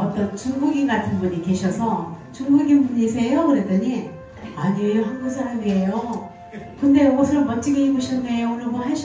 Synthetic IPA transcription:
ʌt͈ʌnt͡ɕuŋɡuɡinɡatʰɯnbuɲike̞ɕʰʌsʰʌ | t͡ɕuŋɡuɡinbuɲisʰe̞jokɯɾet͈ʌɲi | aɲioɦanɡusʰaɾamiejo | kɯnde̞ɡʌsʰɯɾʌmʌnt͡ɕ͈iɡeiɡuɕʰʌnːejoonɯbʌnɦaɭɕʰ

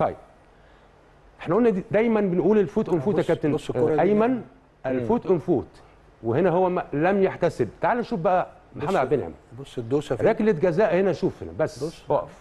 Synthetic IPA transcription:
t̪ˤɑjːb̥̚ | ʔeħnæʔolnːæd̪id̪æjmænbenʔuːlelfuːt̪ʔenfuːt̪ækæb̚t̪enʔæjmæn | ʔælfuːt̪ʔenfuːt̪ | wehenæɦowːæmælæmjaħt̪æseb̚t̪aʕaːlæʃuːfbæʔæ | maħamæd̪ʕab̪enʕḛm | ɾˤæːkelːet̪̚ɡæzæːʔhenæʃuːfhenæ̰bæsːwæʔf

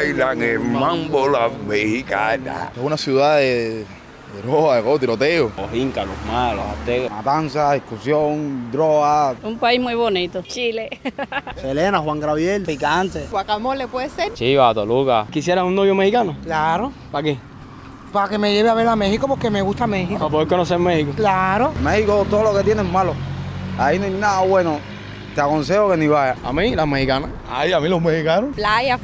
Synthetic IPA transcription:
jlaŋemmãmbolamehikana̰t̪ehunasjuðaðe | d̪eɾɾoaðekot̪iɾot̪eooɦiŋkalomalo̰sat̪eɣomat̪ansaikusjoŋd̪ɾoaumpaihmujβonit̪ot͡ʃile | elenahwaŋɡɾaβjelikaant̪ewakamolepweðeseɾt͡ʃiβat̪olukakis̬jeɾaunnoβjomehikanoklaɾo | pake | pake̞me̞ʝeβeaβeɾlamehikopoɾkemeɣust̪amehikoapoðeɾkonoseɾmehikoklaɾomehikot̪ooloket̪jenemaloainoajnaðaβweno | t̪eakonsehokeniβajaa̰mĩlamehikana̰ | a̰jamilomehikanoplaja

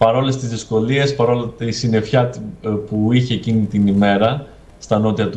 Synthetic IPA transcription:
pɐɾo̞le̞st̪izðisko̞lie̞spɐɾo̞lɐt̪isine̞fçɐt̪puiçe̞ːcinit̪inime̞ɾɐ | st̪ɐno̞t̪iɐt̪u

